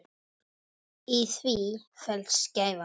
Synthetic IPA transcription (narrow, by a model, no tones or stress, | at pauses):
iθvifɛlsceːjva